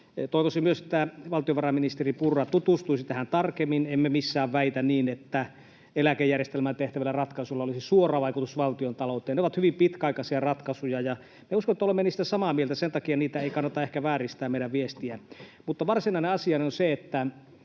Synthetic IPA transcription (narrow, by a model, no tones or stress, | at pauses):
t̪oˑiʋosimyøset̪ːæʋɑlt̪ioʋɑrɑminist̪eripurːɑt̪ut̪ust̪uisit̪æhænt̪ɑrkemːinemːemisːæːʋʋæit̪ænniːnet̪ːæ | elækejærjest̪elmænt̪eht̪æʋælːærɑt̪kɑsulːɑolisisuorˑɑːʋɑikut̪usʋɑlt̪iont̪ɑloˑut̪ˑeːneoʋɑt̪hyʋimpit̪kæɑikɑsiɑrɑt̪kɑsujɑjɑ | meuskonet̪ːæolemːeniːst̪æsɑmɑmielt̪æsent̪ɑkiɑniːt̪æeikɑnːɑt̪ɑehkæʋæːrist̪æːmmeiɾæʋʋiest̪iæmut̪ːɑʋɑrsinɑineɑsiɑneonseet̪ːæ